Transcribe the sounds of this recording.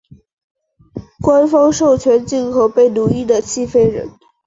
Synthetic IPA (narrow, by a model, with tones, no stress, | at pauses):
kwa˥nfɑ˥ŋʂo˥˩ʊt͡ɕʰɥɛ˧˥nt͡ɕi˥˩ŋkʰo˨˩ʊpe˥˩ɪnu˧˥i˥˩d̪ə˩t͡ɕʰi˥˩fe˥ɪɻə̰˧˥n